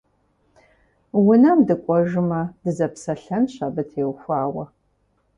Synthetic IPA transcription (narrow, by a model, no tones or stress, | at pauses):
wʊnɐmdɨkʷʼɔʒɨmɐd̥ɨzɐpsɐɬɐnɕabɨtʰeːwxʷaːwɐ